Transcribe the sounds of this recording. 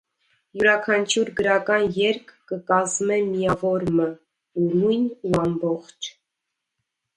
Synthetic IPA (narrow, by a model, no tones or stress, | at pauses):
juɾɑkʰɑnt͡ʃʰuɾɡəɾɑkɑnjɛɾkʰːəkɑzmɛmijɑvɔɾmə | unujnuɑmbɔχt͡ʃʰ